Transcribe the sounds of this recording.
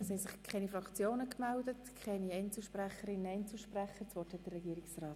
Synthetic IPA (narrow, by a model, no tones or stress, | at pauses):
ɛshɛjsɪχkʰɛnifɾɑkt͡sjoːnəkmældətkʰɛniɛɪnt͡sl̩ʃpræχəɾɪnəɛɪnt͡sl̩ʃpræχəɾt͡sʋɔːthɛt̚d̥ərːɛɡiːɾɪksrɑːt